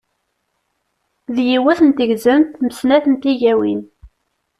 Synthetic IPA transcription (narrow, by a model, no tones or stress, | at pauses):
ðjiwæθənt̪əʝzənt̪məsnæθənt̪iʝæwin